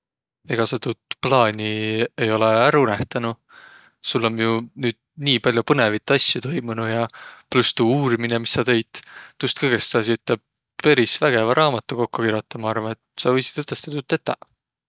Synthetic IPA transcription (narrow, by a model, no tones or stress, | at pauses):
e̞ɡ̥ɑset̪ut̪plɑːnʲie̞jo̞leæɾunæht̪ɑnu | sulːo̞mjunyːd̪̥̚niːpɑlʲjupɤne̞vit̪ːˑɑsʲjut̪o̞jmunujɑplust̪uːuːɾiminemisːɑt̪e̞jd̪̥ːust̪̚kɤjɡ̥essɑsiyt̪ːˑleb̥̚ | pe̞ɾisvæɡ̥e̞vɑɾʔɑːmɑt̪ːˑuko̞kːukiɾjot̪ːˑɑmɑɑrvɑet̪sɑvɤjsi̥t̪et̪ːˑest̪ɑt̪ut̪ːet̪ːˑɑ̰